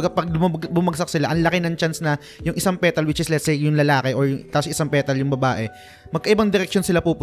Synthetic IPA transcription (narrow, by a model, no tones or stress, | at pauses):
ɡɐpɐɡ̚lʊmɐbʊmɐɡsɐk̚sɪlaʔɐŋlɐkɪnɐŋt͡ʃansnɐ | jʊŋʔɪsaŋpɛːt̪ɐlwɪt͡ʃɪslɛt̪sejjʊŋlɐlaːkɛʔoɹjʊŋt̪aposʔɪsaŋpɛːt̪ɐljʊŋbɐbaːʔɛ | mɐɡ̚kɐʔɪbɐŋd̪ɪɾɛk̚ʃonsɪlapuːpʊ